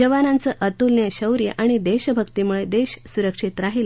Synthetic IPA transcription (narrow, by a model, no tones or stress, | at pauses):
d͡ʑəʋanant͡səʔət̪ulnjeɕəwɾjə̰ʔaɽ̃id̪eɕbʱəkt̪imuɭed̪eɕsuɾəkʂit̪ɾaɦil